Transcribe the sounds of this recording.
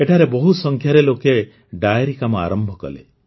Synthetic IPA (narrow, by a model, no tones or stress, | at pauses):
eʈʰaɾebɔɦusɔŋkʰjaɾeloke | ɖajeɾikamɔa̰ɾɔmbʱɔkɔ̰lḛ